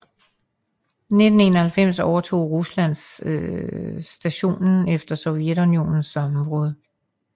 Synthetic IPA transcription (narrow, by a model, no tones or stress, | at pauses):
ne̝d̥n̩e̝nɐhælfem̰sɒʊɐt͡sʰo̝̰ːʁuslæn̰s | d̥æɕo̝̰ːnn̩efd̥ɐsɒ̽ʊied̥unio̝ːnn̩sɒ̽mb̥ʁɔð̞ˠ